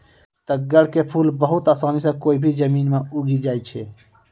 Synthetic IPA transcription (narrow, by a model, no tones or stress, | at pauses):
t̪əɡəɽ̤kepʰulbəɦut̪asanisə̃koːibʱid͡ʒəmiːnmeuɡid͡ʒajt͡ʃʰɛ